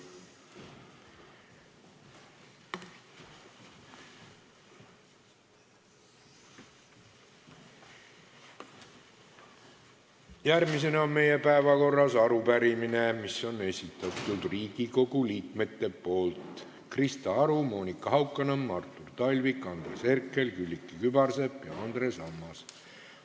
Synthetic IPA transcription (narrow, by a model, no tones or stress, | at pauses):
jærmise̞nɑonme̞je̞pæevɑko̞rːɑsɑɾupæɾimine̞misːo̞ne̞sʲit̪ːˑɑt̪ːˑud̪̥riːɡ̥iko̞ɡuliːkme̞t̪ːe̞po̞ːlt̪ | krist̪ɑɑɾumo̞ːnikːˑɑɦɑwkːˑɑnemːɑrt̪ˑːurt̪ɑlʲvikːˑɑnd̪̥ɾese̞rkˑːelkylʲːikːˑikybɑrse̞pːjɑ̰ɑnd̪̥ɾe̞sɑmːɑs